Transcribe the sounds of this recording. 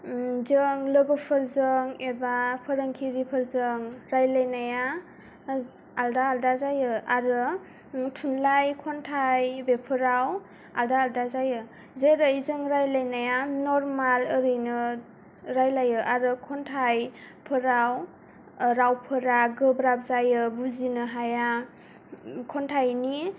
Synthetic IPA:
zɯŋlɯɡɯpʰɯɾzɯŋebapʰɯɾaŋkʰiɾipʰɯɾzɯŋɾajlajnaja | aldaːldazajɯaɾɯ | tʰunlajkʰɔntʰajbepʰɯɾaw | aldaːldazajɯ | zeɾaizɯŋɾajlajnajanɔɾmalɯɾɯjnɯ | ɾajlajɯʔaɾɯkʰɔntʰaj | pʰɯɾaw | ɾawpʰɯɾaɡɯbɾap̚zajɯbuzinɯɦaja | kʰɔntʰajni

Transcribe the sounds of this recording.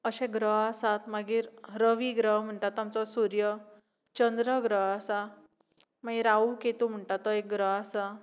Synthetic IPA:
əɕɛ̃ɡɾəɦəsat̪maɡiːɾɾəʋiːɡɾəɦm̤əɳʈat̪ːamt͡sɔsuɾjə | t͡ɕənd̪ɾəɡɾəɦəsa | maɡiɾauket̪um̤əɳʈat̪ːɔek̚ɡɾəɦasa

